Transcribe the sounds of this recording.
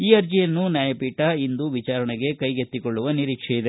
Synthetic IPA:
iːɐɾd͡ʒijɐnːunjaːjɐpiːʈɐind̪uʋit͡ʃaːɾɐɳeɡe̞kɐjɡet̪ːikoɭːuʋɐniɾiːkʂɛjid̪e̞

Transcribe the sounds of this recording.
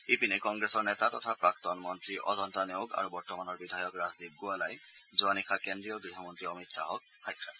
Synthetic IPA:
epinekɔŋɡɹesɔɹnɛtatɔtʰapɹak̚tɔnmɔntɹiʔɔ̰zɔntanijoɡa̰ɹubɔɹtɔmanɔɹbidʱajɔkɹazdib̚ɡualajzuanikʰakendɹijɔɡɹiɦɔmɔntɹiɔmitsa̰ɦɔk̚xajkʰːa

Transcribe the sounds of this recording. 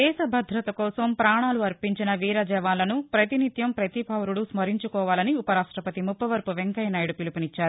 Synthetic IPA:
d̪ɛːʃɐbʱɐd̪ʱɾɐt̪ɐkɔːsɐmpɾaːɳaːluɐɾpiɲt͡ʃinɐʋiːɾɐd͡ʒɛːʋaːlɐnupɾɐt̪init̪jɐmpɾɐt̪ipɐwɾuɽusmɐɾiɲt͡ʃukɔːʋaːlɐniupɐɾaːʂʈɾɐpɐt̪imupːɐʋɐɾpuʋeŋkɐjnɐjɽupilupunit͡ʃːaːɾu

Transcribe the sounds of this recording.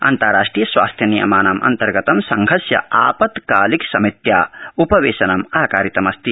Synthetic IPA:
ɐ̰nt̪aɾaːʂʈɾijɐsʋa̰ːst̪ʰjɐnijɐ̰maːnaːmʔɐ̰nt̪ɐɾɡɐt̪ɐmsɐŋɡʱɐsjɐ̰aːpɐt̪kaːliksɐmit̪jaːupɐʋeːʃɐnɐmɐɦɐkaːɾit̪ɐmɐst̪i

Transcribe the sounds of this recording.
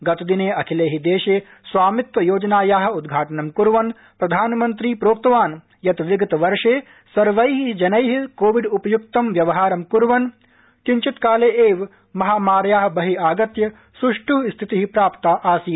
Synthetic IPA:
ɡɐt̪d̪ineːɐkʰileːɦid̪eːʃeː | sʋaːmit̪ʋɐjoːd͡ʒɐnaːjaːɦɐ̆ud̪ɡʱaːʈɐnɐmkuɾʋɐn | pɾɐd̪ʱaːnmɐnt̪ɾiːpɾoːp̚t̪ɐʋaːn | jɐt̪ʋiɡɐt̪ɐʋɐɾʂeː | sɐɾʋɐjɦid͡ʒɐnɐjɦikoːʋiɖupɐjuk̚t̪ɐmʋjɐʋɐɦaːɾɐmkuɾʋɐn | kiɲt͡ʃit̪kaːleːʔeːʋ | mɐɦaːmaːɾjaːɦɐbɐɦiaːɡɐt̪jɐ | suʂʈuɦst̪ʰit̪iɦipɾaːpt̪aːʔaːsi

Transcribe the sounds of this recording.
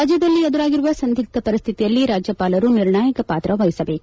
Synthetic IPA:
aːd͡ʒjɐd̪ɐlːiɛd̪uɾaːɡiɾuʋɐsɐnd̪ʱik̚t̪ɐpɐɾist̪ʰit̪ijɐlːiɾaːd͡ʒjɐpaːlɐɾuniɾɳaːjɐkɐpaːt̪ɾɐʋɐjisɐbeːk

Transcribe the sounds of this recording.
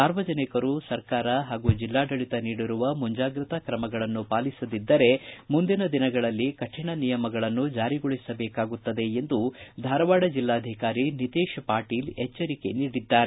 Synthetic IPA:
saːɾʋɐd͡ʒɐnikɐɾusɐɾkaːɾɐɦaːɡud͡ʒilːaːɖɐɭit̪ɐniːɽiɾuʋɐmuɲd͡ʒaːɡɾit̪ɐkɾɐmɐɡɐɭɐnːupaːlisɐd̪id̪ːɐɾe̞mund̪inɐd̪inɐɡɐɭɐlːikɐʈʂiɳɐnijɐmɐɡɐɭɐnːud͡ʒaːɾiɡoɭisɐbɛːkaːɡut̪ːɐd̪e̞end̪ud̪ʱaːɾɐʋaːɽɐd͡ʒilːaːɐd̪ʱikaːɾinit̪iːʃpaːɾʈiːlɛt͡ʃːɐɾike̞̰niːɽid̪ːaːɾe

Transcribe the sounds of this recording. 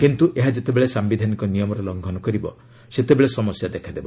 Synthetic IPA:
kint̪uʔeɦad͡ʒet̪ebeɭesambid̪ʱanikɔnijɔmɔɾelɔŋɡʱɔnɔkɔɾibɔ | set̪ebeɭesɔmɔsjad̪ekʰad̪ebɔ

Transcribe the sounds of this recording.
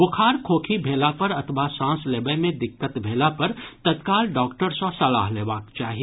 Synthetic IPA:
ʋʊkʰaːɾkʰoːkʰibʱeːlapɐɾɐt̪ʰʋasãːsleːbəmẽd̪ɪkːət̪bʱeːlapɐɾt̪ɐt̪kaːlɖɔːkʈəɾsɔsɐla̰ːɦleːʋaːkt͡ʃaːɦie

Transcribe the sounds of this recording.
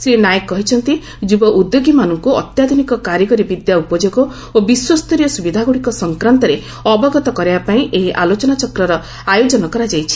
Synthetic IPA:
sɾinajkːɔɦit͡ʃʰɔnt̪i | d͡ʒubɔʔud̪joɡimanɔŋkuɔ̰t̪jad̪ʱunikɔkaɾjɔɡɔɾibid̪jaupɔd͡ʒoɡɔ | obiswɔst̪ɔɾijɔsubid̪ʱaɡuɽikɔsɔŋkɾant̪ɔɾe | ɔbɔɡɔt̪ɔkɔɾibapaĩʔeɦiʔalot͡ʃɔnat͡ʃɔkɾɔɾɔ | ajod͡ʒɔnɔkɔɾad͡ʒajt͡ʃʰi̥

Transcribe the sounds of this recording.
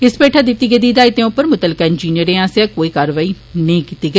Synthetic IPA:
ɪspeːʈʰaːd̪ɪt̪ːiːɡed̪iːd̪aːit̪ẽːʊpːəɾmʊt̪əlɪkaːɪnd͡ʒiːnijəɾẽːãːseaːkoːiːkaːɾəʋaːiː | nẽĩkit̪ːiːɡe

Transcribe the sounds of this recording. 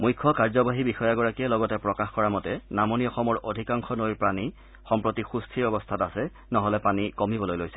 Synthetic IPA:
mujkʰːɔkaɹzɔbaɦibixɔjaɡɔɹakiɛlɔɡɔtɛpɹɔkaxkɔɹamɔtɛnamoniɔxɔmɔɹʔodʱikaŋxɔnojpɹani | xɔmpɹotixustʰiɹɔbɔstʰatasɛ | nɔɦɔlɛpanikɔmibɔlojlojsɛ̥

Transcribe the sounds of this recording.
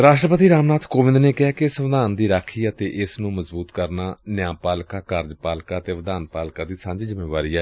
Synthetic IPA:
ɾaːʃʈɾəpət̪iːɾaːmnaːt̪ʰkoːʋɪ̃nd̪neːkɪɦaːkɪɪsʋɪd̪aːnd̪iːɾaːkʰiːət̪eːʔɪsnũːməzbuːt̪kəɾnaːnjaːpaːlkaːkəɾd͡ʒpaːlkaːt̪eːʋəd̪aːnpaːlkaːd̪iːsãːɲd͡ʒiːzɪmeːʋaːɾiːaː

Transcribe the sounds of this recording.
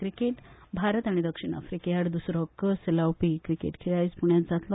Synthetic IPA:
kɾikeʈbʱaɾət̪aɽ̃id̪əkʂiɳ̃a̰fɾikejaɽd̪usɾɔkselawpikɾikḛʈkʰeɭajspuɳjat̪d͡zat̪lɔ

